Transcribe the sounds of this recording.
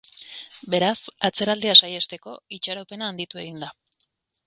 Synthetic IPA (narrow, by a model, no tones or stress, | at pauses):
be̞ɾasat͡se̞ɾald̪easajast̪e̞ko̞it͡ʃaɾope̞naːnd̪it̪ue̞ɣ̞ind̪a